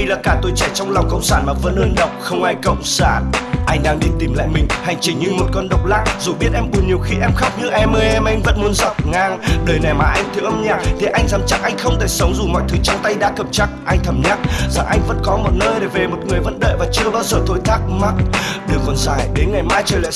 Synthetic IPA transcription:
jlaː˨˩kaː˧˩t̪o˧jt͡ɕɛ˧˩t͡ɕɔ˧wŋ͡mlwŋ͡mkə̰˧˨wŋ͡msaː˧˩nmaː˨˩və̰˧˥nhəː˧nɗə̰˧˨wŋ͡mxə˧wŋ͡mʔaː˧jkə̰˧˨wŋ͡msaː˧˩nʔa˧jŋ̟ɗaː˧ŋɗi˧˩t̪i˨˩mla̰ː˧˨jmï˨˩ŋ̟ha˨˩jŋ̟t͡ɕï˧˩ŋ̟ɲɨ˧mo˨˩t̚kɔ˧nɗə˧˨wk͡p̚la̰ː˧˥zu˨˩ɓi˦˥t̚ʔɛ˧mɓu˧˩əɲi˨˩əwxi˧ʔɛ˧mxa˦˥wk͡p̚ɲɨ˧ʔɛ˧mʔəː˨˦jʔɛ˧mʔa˧jŋ̟və̰˧˥nmu˨˦ənza˦˥p̚ŋaː˧˩ŋɗəː˨˩jnɛ˨˩maː˨˩ʔa˧jŋ̟t̪ʰi˨˧əwʔə˧mɲaː˧˩t̪ʰe˨˩˦ʔa˧jŋ̟zaː˨˦mt͡ɕa˨˦˥k̚ʔa˧jŋ̟xə˧wŋ͡mt̪ʰe˧˩sə˨˦wŋ͡mzu˨˩mɔ̰˧˨jt̪ʰɨ˨˦t͡ɕɔ˧wŋ͡mt̪a˧jɗa̰ː˧˥kə˧˩mt͡ɕa˦˥k̚ʔa˧jŋt̪ʰə˨˩mɲa˦˥t̚za˨˩ŋʔa˧jŋ̟və̰˧˥nkɔ˨˦mo˨˩t̚nəː˧jɗe˧˩ve˨˩mo˨˩t̚ŋɨ˨˩əjvə̰˧˥nɗə̰ː˧˨jvaː˨˩t͡ɕɨ˧əɓaː˧wzəː˨˩t̪ʰo˨˦jt̪ʰaː˦˥k̚ma˦˥t̚ɗɨ˨˩əkːɔ˨˦nzaː˧˩jɗe˨˦nŋa˨˩jmaː˨˦jt͡ɕəː˨˩jla̰˧˨

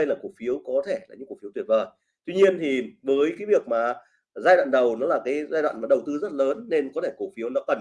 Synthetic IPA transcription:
ə˧jlaː˨˩ku˧˩ək̚fi˨˦əwkɔ˨˦t̪ʰe˧˩la̰ː˨˩ɨ̰˧˥ku˧˩ft̪w̚vəː˨˩j | t̪wi˧ɲi˧ənt̪ʰi˨˩vəː˨˦jkaː˨˦jvi˨˩ək̚maː˨˩ | zaː˧jɗwa̰˧˨nɗə˨˩wnɔ˨˦laː˨˩kaː˨˦jzaː˧jɗwa̰ː˧˨maː˨˩ɗə˨˩wt̪ɨ˧zə˦˥t̚ləː˨˦nːe˧nkɔ˨˦t̪ʰe˧˩ku˧˩fi˨˦əwnɔ˨˦kə˨˩n

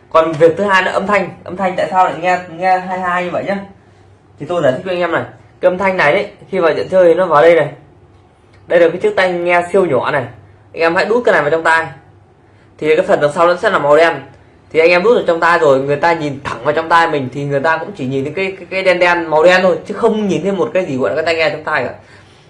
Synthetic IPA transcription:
kɔ˨˩nvi˨˩ək̚t̪ɨ˨˦haː˧jnɔ̰˧˦ʔə˧mt̪ʰa˧jŋ̟ʔə˧mt̪ʰa˧jŋ̟t̪a̰ː˧˨saː˧wna˨˩ŋɛ˧ŋɛ˧ɦaː˧jɦaː˧jɲɨ˧və̰˧˨jɲaː˨˦ | t̪ʰi˨˩t̪o˧jzaː˨˧˩t̪i˦˥wŋː˧mna˨˩jka˨˦ʔə˧mt̪ʰa˧jŋna˨˩jɗə˨˦xi˧vaː˨˩wzḭ˧˨nt͡ɕʰə˧ji˨˩nɔ˨˦vaː˨˩wɗə˧jna˨˩j | ɗə˧jlkaː˨˦t͡ɕɨ˦˥k̚t̪a˧ŋɛ˧si˧əwɲɔ˨˧˨na˨˩j | ʔa˧jŋʔɛ˧mha̰˧˥ɗu˦˥tkaː˨˦na˨˩vaː˨˩t͡ɕɔ˧ŋ͡mt̪aː˧j | t̪ʰi˨˩˨kaː˨˦jfə˨˩nla˨˩ŋsa˧wnɔ̰˧˥sɛ̰˦˥laː˨˩ma˨˩wɗɛ˧n | t̪ʰi˨˩ʔa˧ŋʔɛ˧mɗu˦˥t̚ə˨˩t͡ɕɔ˧wŋ͡mt̪aː˧jzo˨˩jŋɨ˨˩əjt̪aː˧ɲi˨˩nt̪ʰə˧˩ŋvaː˨˩wt͡ɕɔ˧wŋ͡mt̪aː˧jmï˨˩ŋ̟t̪ʰi˨˩ŋɨ˨˩əjt̪aː˧kʊ̰˧˥ŋ͡mt͡ɕi˧˩ɲi˨˩nt̪ʰe˧˦kaː˨˦jkːkaː˨˦jɗɛ˧nɗɛ˧nma˨˩wɗɛ˧nt̪ʰo˧jt͡ɕɨ˨˦xə˧wŋ͡mɲi˨˩nt̪ʰe˧mo˨˩t̚kaː˨˦jzi˨˩w̰kaː˨˦t̪aː˧jŋɛ˧˨t͡ɕɔ˧ŋ͡mt̪aː˧jə̰˧˨j

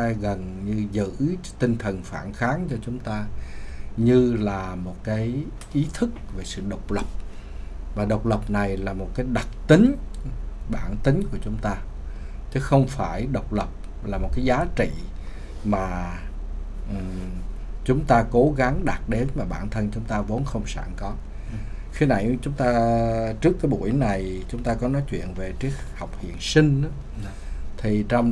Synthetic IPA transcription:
a˧ɣə˨˩nɲɨ˧zɨ̰˧˥t̪ï˧ŋ̟t̪ʰə˨˩nfaː˧˩˨nxaː˨˦nt͡ɕɔ˧t͡ɕʊ˨˦ŋ͡mt̪aː˧ | ɲɨ˧laː˨˩mo˨˩t̚kaː˨˦j | ʔi˨˦t̪ʰɨ˦˥k̚ve˨˩sɨ̰˧˨ɗə˨˩wk͡p̚lə˨˩p̚ | vaː˨˩ɗə˨˩wk͡p̚lə˨˩p̚na˨˩jlaː˨˩mo˨˩t̚kaː˨˦jɗa˨˩t̚t̪ï˨˦ŋ̟ | ɓaː˧˩nt̪ï˨˦ŋ̟ku˧˩ət͡ɕʊ˨˦ŋ͡mt̪aː˧ | t͡ɕɨ˨˦xə˧wŋ͡mfaː˧˩jɗə˨˩wk͡p̚lə˨˩p̚ | laː˨˩mo˨˩kaː˨˦jzaː˨˦t͡ɕḭ˧˨ | maː˨˩ | ʔɨ˨˩ | t͡ɕʊ˨˦ŋ͡mt̪aː˧ko˨˦ɣa˨˦ŋɗa˨˩t̚ɗe˨˦nmaː˨˩ɓaː˧˩˨nt̪ʰə˧nt͡ɕʊ˨˦ŋ͡mt̪aː˧vo˨˦nxə˧wŋ͡msa̰ː˧˩˨ŋkɔ˨˦ | xi˧na̰˧˩˨jt͡ɕʊ˨˦ŋ͡mt̪aː˧t͡ɕɨ˦˥əkːaː˨˦jɓṵ˧˩əjna˨˩jt͡ɕʊ˨˦ŋ͡mt̪aː˧kɔ˨˦nɔ˨˦jt͡ɕwḭ˧˨ənve˨˩t͡ɕi˨˦˥ək̚ha˨˩wk͡p̚hḭ˧˨ənsï˧ŋ̟a˨˦ | t̪ʰi˨˩t͡ɕɔ˧wŋ͡m

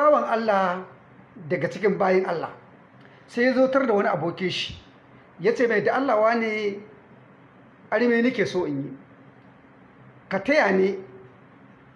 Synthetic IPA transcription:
saː˦wɐ˨ŋʔa˦lːa˨h | dɐ˨ɡa˨t͡ʃɪ˦k̬ʲɪ˦mbaː˦jɐ˦ŋʔa˦lːa̰˨ | sa˦ja˦zoː˦tɐ˦rda˨wɐ˦ni˦ʔa˨boː˦kʲɪ˦ʃi̥˨ | jaː˦t͡ʃeː˦˨me˨da˨ʔa˦lːa˨waː˦neː˨ | ʔa˦ɽmeː˦nɪ˦kʲeː˨soː˦ʔɪ˨ɲji˦ | ka˨tɐ˦jaː˨neː˦

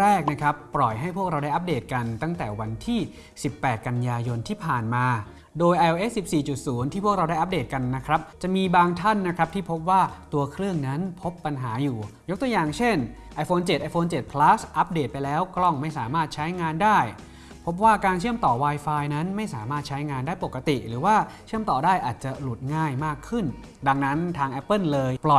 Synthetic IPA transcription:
ɾɛː˥˩k̚na˦˥kʰa˦˥pːɾɔ˨˩jɦa˥˩jpʰu˥˩ək̚ɾa˧wdaː˥˩jʔa˦˥p̚deː˨˩t̪̚ka˧nt̪a˥˩ŋt̪ɛː˨˩wa˧nt̪ʰiː˥˩ | si˨˩pːɛː˨˩t̪̚ka˧njaː˧jo˧nt̪ʰiː˥˩pʰaː˨˩nmaː˧ | doː˧jʔa˧jʔo˧ʔe˦˥sːi˨˩p̚siː˨˩t͡ɕu˨˩t̪̚suː˩˦nt̪ʰiː˥pʰu˥˩ək̚ɾa˧wda˥˩jʔa˦˥p̚deː˨˩t̪̚ka˧nːa˦˥kʰɾa˦˥p̚t͡ɕa˨˩miː˧baː˧ŋt̪ʰa˥˩nːa˦˥kʰɾa˦˥p̪̚ʰiː˥˩pʰo˦˥p̚waː˥˩t̪u˧ɐkʰɾɯ˥˩əŋna˦˥npʰo˦˥pːa˧nɦaː˩˦juː˨˩jo˦˥k̚t̪u˧əjaː˨˩ŋt͡ɕʰe˥˩n | ʔa˧˥jfʰoː˧nt͡ɕe˨˩ʔa˧jfoː˧nt͡ɕe˨˩t̪̚pʰlaː˦˥sʔa˦˥p̚deː˨˩t̪̚pa˧jlɛː˦˥wklɔ˥˩ŋma˥˩jsaː˩˦maː˥˩t̪̚t͡ɕʰa˦˥jŋaː˧ndaː˥˩j | pʰo˦˥p̚waː˥˩kaː˧nt͡ɕʰɯ˥˩əmt̪ɔː˨˩waː˧jfaː˧jna˦˥nma˥˩jsaː˩˦maː˥˩t̪̚t͡ɕʰa˦˥jŋaː˧ndaː˥˩jpo˨˩kːa˧t̪i˨˩ʔɾɯː˩˦waː˥˩t͡ɕʰɯ˥˩əmt̪ɔː˨˩daː˥˩jʔaː˨˩t̪̚t͡ɕa˨˩lu˨˩t̪̚ŋaː˥˩jmaː˥˩kʰːɯ˥˩n | da˧ŋna˦˥nt̪ʰaː˧ŋʔɛ˦˥pːɤ˥˩nlɤː˧jplɔ˨˩

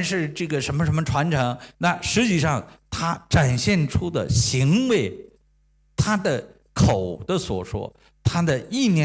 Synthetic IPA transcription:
ʂɻ̩˥˧ʈ͡ʂɤ˥˩ɡə˩ʂə˧˥nmə˧˩ʂə˧˥nmə˧ʈ͡ʂʰwa˧˥nʈ͡ʂʰɤ˧˥ŋna˥˩ʂɻ̩˧˥t͡ɕi˥˩ʂɑ˥˩ŋt̪ʰa˥ʈ͡ʂa˨˩nɕjɛ˥˩nʈ͡ʂʰu˥d̪ə̰˨ɕi˧˥ŋwe˧˥ɪ | t̪ʰa˥d̪ə˨ | kʰo˨˩ʊd̪̥ə˦swɔ˨˩ʂwɔ̰˥ | t̪ʰa˥d̪ə˨i˥˩njɛ˧˥

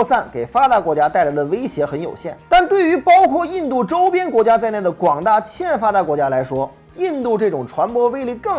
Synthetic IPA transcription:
sa˥˩nke˨˩ɪfa˥t̪a˥˩kwɔ˧˥t͡ɕja˥t̪a˥˩ɪla˧˥ɪd̪ə˧ʋe˥ɪɕjɛ˧˥xə˧˥njo̰˨˩ʊɕjɛ˥˩nt̪a˥˧nt̪we˥˩ɪy˧˥pɑ˥ʊkʰwɔ˥˧i˥˧nt̪u˥˩ʈ͡ʂo˥ʊpjɛ˥nkwɔ˧˥t͡ɕja˥t͡sa˥˧ɪna˥˩d̪ə˩kwɑ˨˩ŋt̪a˥˩t͡ɕʰjɛ˥˧˥fa˥t̪a˧˥kwɔ˧˥t͡ɕja˥la˧˥ɪʂwɔ˥ | i˥˧nt̪u˥˧ʈ͡ʂɤ˥˩ʈ͡ʂʊ˨˩ŋʈ͡ʂʰwa˧˥npwɔ˥ʋe˥ɪli˥˧kɤ˥˩

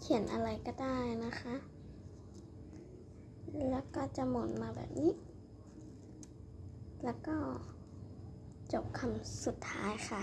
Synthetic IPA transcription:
kʰi˨˩˦nʔa̰˧la˧˩jkɔː˧˩daː˥˩jna˧˥xʰa˧˥ | lɛː˧˥kɔː˧˩t͡ɕa˧˨mo˨˦nmaː˧bɛ̰ː˨˩p̚niː˦˧˥ʔ | lɛː˧˥wkɔː˧˩ | t͡ɕo˨˩p̚kʰa˧˨msu˨˩t̪ʰːa̰ː˦˥jxʰa˧

